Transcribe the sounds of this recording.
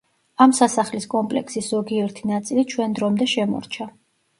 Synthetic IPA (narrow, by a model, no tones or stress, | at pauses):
amsasaχliskʼɔmpʼlɛ̰ksiszɔɡiɛɾt̪ʰinat̪sʼilit͡ʃʰwɛnd̪ɾɔmd̪ɛʃɛmɔ̰ɾt͡ʃʰa